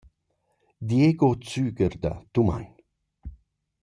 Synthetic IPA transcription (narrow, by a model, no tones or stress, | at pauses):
d̪jeɡot͡syːɡəɾd̪a̰t̪uma̰n